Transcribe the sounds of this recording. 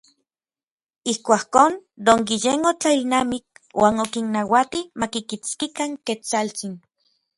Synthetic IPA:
ihkʷakoːnd̪oŋkijenot͡ɬailnamik̚wʔaːnokinːawat̪imakikit͡skikaŋket͡salt͡sin

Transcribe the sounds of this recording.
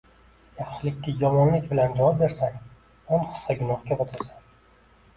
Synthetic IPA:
jaqʃlɪkʲːad͡ʒɒmɒnlɪkʲbɪland͡ʒavɒp̚be̞ɾsakʲ | onqɨ̥sːaɡʊnɒhkʲaot̪ʰaɾsḁn

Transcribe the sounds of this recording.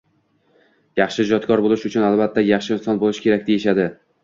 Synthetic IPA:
jɑχʃɪd͡ʒɒt̪kʰɒɾbolɪʃʊt͡ʃʰʊnalbat̪ʰːajɑχʃɪɪnsɒnbolˠɪʃɪkʲʰe̞ɾakʲd̪e̞jɪʃad̪ɪ

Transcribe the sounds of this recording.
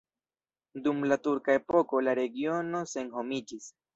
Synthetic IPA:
d̪umlat̪uɾkaepo̞ko̞laɾe̞ɡio̞no̞se̞nho̞mid͡ʒis

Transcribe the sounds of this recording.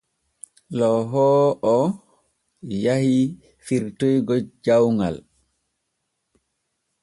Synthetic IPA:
lɔɦɔːʔɔ | jahi | fiɾtojɡɔd͡ʒawŋɡa̰l

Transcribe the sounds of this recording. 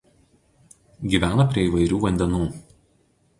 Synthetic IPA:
ɡʲiːʋʲæːnɐpʲɾʲiɛiːʋɐɪɾʲuːʋɐnʲd̪ʲɛnuː

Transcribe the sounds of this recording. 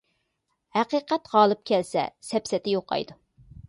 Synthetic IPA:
hæqiːqɛt̪ʁɑːlˠɨp̚kʲʰɛlsɛ̰sɛpsɛt̪ʰɪjoqːɑ̰jd̪u

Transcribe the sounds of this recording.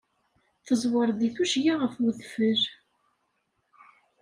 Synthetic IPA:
θəzˤwəɾˤðiθuʃjaʁəfwəðfəɾ

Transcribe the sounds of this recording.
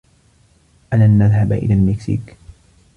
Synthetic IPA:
ʔalanːaðɦabaʔɪ̰laːlmɪksḭːk

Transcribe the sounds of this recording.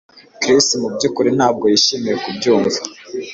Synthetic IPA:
kɾistmubɟukuɾenhaːb̚ɡo̞jiʃimijekubɟuːmvi

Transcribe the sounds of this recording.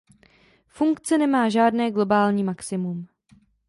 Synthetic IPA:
fuŋkt͡sɛnɛmaːʒaːdnɛːɡlo̞baːlɲiːmaksɪmum

